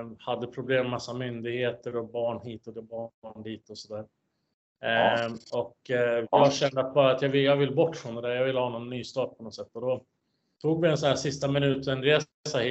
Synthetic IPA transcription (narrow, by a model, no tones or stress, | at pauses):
had̪ːəpʰɾʊbleːmːasːamʏnd̪ɪɡheːt̪əɾɔbɑːɳhiːt̪ɔd̪ɛbɑːɑːɳd̪iːt̪ɔsɔd̪æːɾ | ɔkjɑaɕɛnd̪əat̪̚bɑːɾaːt̪jɑːvɪljɑːvɪlbɔʈːfɾɔnd̪ɛd̪æːɾjɑvɪlːhɑːnɔnːyːst̪ɑːʈ̚pʰɔnɔt̪sɛt̪ːɔd̪ɔ | t̪ʰuːɡvɪɛnsɔnæːʂɪst̪amɪnʉ̟ːt̪ɛnɾeː | sahiː